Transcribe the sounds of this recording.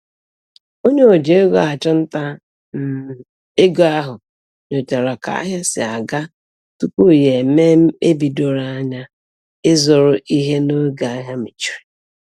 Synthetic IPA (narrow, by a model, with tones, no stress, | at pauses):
o˦ɲe˦o˨d͡ʒe˨e˦ɡo˦a˨t͡ʃɔ˦n̩˦ta˦ | n̩˨ | e˦ɡa˦ɦʊ˨ | no˨ta˨ɾa˨ka̰˨a̰˦ɦja˦sɪ̰˨a˨ɡa˦ | tu˦kʷo˦˨je˨e˨me˦m̩˦e˦bi˨do˨ɾa˨a˦ɲa˦ | ɪ˦zɔ˨ɾʊ˦ʔi˦ɦe˦no˦ɡa˨a˦ɦja˦mi˨t͡ʃi˨ɾe̥˨